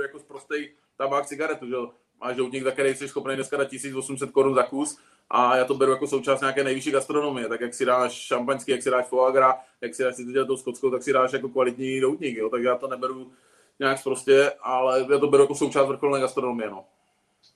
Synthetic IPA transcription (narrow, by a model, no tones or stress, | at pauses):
ujakospɾost̪ɛj | t̪abaːkt͡sɪɡaɾɛt̪uʒɛo | mʔaːʒdowt̪ɲikzak̚t̪ɛɾɛjsɛʃsxopnɛjnɛskadat̪̚cisiːt͡svosums̬ɛt̪̚koɾunzakus | ʔajaːt̪obɛɾujako̞sowt͡ʃaːst̪ɲaːkɛːnɛjvɪʃiːɡast̪ɾonomɪjɛt̪akjaksɪdaːʃʃampaɲskijaksɪdaːʃfoaɡɾajaksɪdaːʃsɪt̪oɟɛlɛt̪owskot͡skowt̪aksɪdaːʃjakokvalɪt̪ɲidowt̪ɲɪkjot̪aɡʒɛjaːt̪onɛbɛɾu | ɲɛakfpɾoscɛʔalɛjaːt̪obɛɾujakoso̞wt͡ʃaːst̪vr̩ɾxolnɛːɡast̪ɾonomɪjɛno